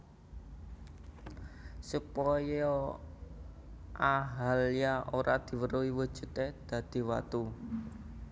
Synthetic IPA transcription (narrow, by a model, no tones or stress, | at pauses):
supɔjɔ | aɦaljaʔoɾad̪̥i̤wəɾowiwəd̥ʒ̥ṳt̪ed̪̥ä̤d̪̥i̤wa̰t̪u